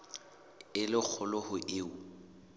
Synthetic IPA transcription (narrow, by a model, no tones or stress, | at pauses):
ɪlɪk͡xʰʊlɔhʊʔɪːʊ